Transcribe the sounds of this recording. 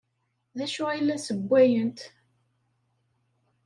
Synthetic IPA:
ðæʃʊilːæsəbʷːæjənt̪

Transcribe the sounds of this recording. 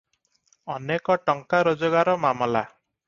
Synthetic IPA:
ɔnekɔʈɔŋkaɾod͡ʒɔɡaɾɔmamɔla

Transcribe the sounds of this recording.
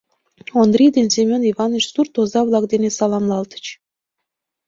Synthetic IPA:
ond̪ɾʲid̪ensʲemʲoniβɑnət͡ɕsurt̪ozɑβlˠɑkd̪enesɑlɑmlˠɑlt̪ə̥t͡ɕ

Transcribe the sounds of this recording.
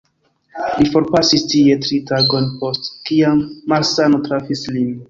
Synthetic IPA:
lifo̞ɾpasistie̞tɾitaɡo̞npo̞stkiamːalsanotɾafislin

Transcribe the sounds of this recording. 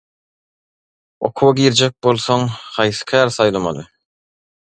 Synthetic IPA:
o̞̰qʰuwɑɡiːɾd͡ʒek̚bo̞lˠθoŋhɑjθɯ̥kʲʰæːɾθɑjlˠɑmɑ̰lˠɯ

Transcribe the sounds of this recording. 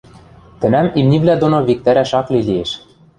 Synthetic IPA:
t̪ɘ̆næmimniβlæd̪onoβik̚t̪æɾæʃɑklilʲieʃ

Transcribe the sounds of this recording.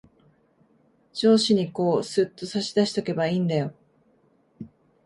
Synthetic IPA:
d͡ʑo̞ːɕiɲ̟iko̞ːsɨt̪ːo̞saɕid̪aɕi̥t̪o̞ke̞baiːnd̪ajo̞

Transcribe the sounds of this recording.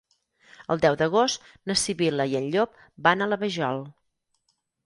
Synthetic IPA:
əlˠd̪ɛwd̪əɣost̪ | nəsiβiləiənʎop̚ | banələβəʒɔlˠ

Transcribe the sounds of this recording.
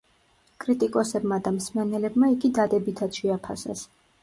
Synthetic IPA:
kʼɾit̪ʼikʼɔsɛbmad̪amsmɛnɛlɛbmaiɡid̪ad̪ɛbit̪ʰat̪ʃɛapʰasɛ̰s

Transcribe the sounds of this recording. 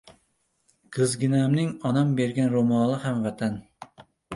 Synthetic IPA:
qʰɨzɡʲɪnamnɪŋɒnambe̞ɾɡʲanɾomɒlˠɪhamvat̪ʰan

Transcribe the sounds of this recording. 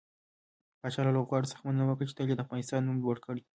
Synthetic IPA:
pɑt͡ʃɑlɑloɣɑɽosə̥xmənnawəkɽt͡ʃe̥t̪aled̪afɑnɪst̪ɑnːumlwəɽkəɽ

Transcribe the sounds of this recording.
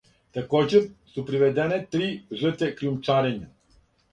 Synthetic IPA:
t̪ɛkɔd͡ʒɛɾsupɾiʋɛd̪ɛnɛt̪ɾiʒət̪ɛkɾijumt͡ʃaɾɛɲa

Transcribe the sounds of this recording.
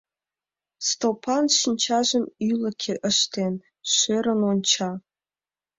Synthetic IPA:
st̪opʰanʃinʲt͡ʃʰaʒənyləkʲʰeʔəʃt̪ʰen | ɕeːɾənwont͡ʃʰa

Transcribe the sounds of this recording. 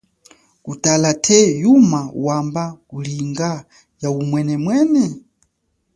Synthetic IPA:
kutalatʰɛjumawambakuliŋɡa | jaumwɛnɛmwɛːnɛ

